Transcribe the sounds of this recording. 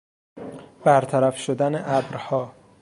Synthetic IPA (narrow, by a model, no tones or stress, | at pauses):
b̥æɾt̪ʰæɾæfʃod̪æneʔæbɾhɒː